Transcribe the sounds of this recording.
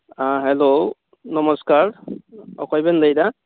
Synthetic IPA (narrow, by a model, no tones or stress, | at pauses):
aɦɛlo | nɔmɔskaɹɔ̰kʰɔjbɛndajda